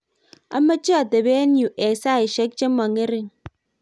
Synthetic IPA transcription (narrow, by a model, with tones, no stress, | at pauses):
a̰˦mːa˦t͡ʃi˦a˨ta˨be˦n˦u˨ʔe˨sa˦i˨ʃe˦k̚d͡ʒe˦ma˨ŋe˦ɾi˨ŋ